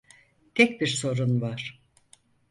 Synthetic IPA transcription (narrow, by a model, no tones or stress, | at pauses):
t̪ʰɛc̚biɾso̞ɾunvaɾ̥